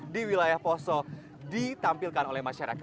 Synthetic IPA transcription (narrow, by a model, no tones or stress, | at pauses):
diwilajahpɔsɔ | dit̪ampilkanolɛhmaʃaɾa̰k